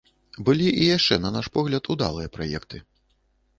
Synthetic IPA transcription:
bɨlʲiʔijaʂt͡ʂɛnɐnaʂpɔɣlʲɐt̪ud̪a̰lˠɨjɐpɾajɛ̰kt̪ɨ

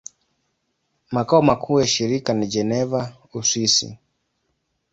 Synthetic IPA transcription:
makaɔmakʰuːjaʃiɾikanid͡ʒɛnɛva | usisḭ

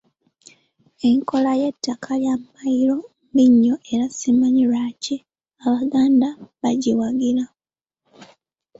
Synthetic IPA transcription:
e̞ŋko̞laje̞tːakʰaljammajiɾo̞mbiɲːoʔe̞ɾasimaɲiɾaːci | aβaɡaːndaβaɟiwaɡila

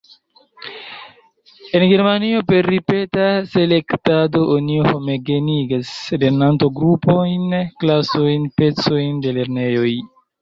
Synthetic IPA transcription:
e̞nɡe̞ɾmanio̞pe̞ɾːipe̞tase̞le̞ktado̞ʔonioho̞meɡe̞niɡaseleɾnantoɡɾupo̞jnklasojnpe̞t͡so̞jnde̞le̞ɾne̞jo̞j

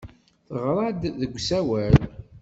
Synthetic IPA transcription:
θəʁɾˤɑd̪ðəɡʷsæwæl

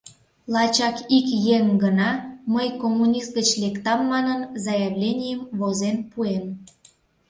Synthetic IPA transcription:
lɑt͡ɕɑkikjeŋɡənɑməjkomːunʲist̪̚ɡət͡ɕlekt̪ɑmːɑnənzɑjeβlʲenʲijəmβozenpuem

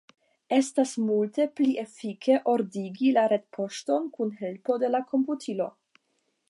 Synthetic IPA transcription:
e̞stasmulte̞pliʔefike̞ʔo̞ɾdiɡilaɾedpʰo̞ʃto̞nkunɦe̞lpo̞de̞lako̞mputʰilo̞

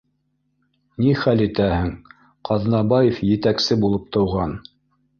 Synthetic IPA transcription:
niχælit̪æhɘŋ | qʰɑðnɑbɑjefjɘ̆t̪æksɘbulˠɤp̚t̪ɤ̆wʁɑn

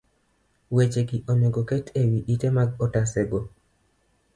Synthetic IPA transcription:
wet͡ʃeɡɪʔɔmoɡokɛtewiʔitemaɡɔtasɛɡo

